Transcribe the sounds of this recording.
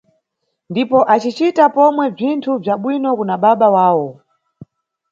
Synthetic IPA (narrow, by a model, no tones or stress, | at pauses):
ndipɔʔat͡ʃit͡ʃitapɔmwɛb͡ʐintʰub͡ʐaɓwinɔkunaɓaɓawaːwɔ